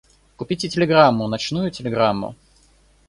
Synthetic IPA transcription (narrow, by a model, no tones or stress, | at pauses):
kʊpʲitʲɪtʲɪlʲɪɡɾamːʊnɐt͡ɕn̪ujʊtʲɪlʲɪɡɾamːʊ̰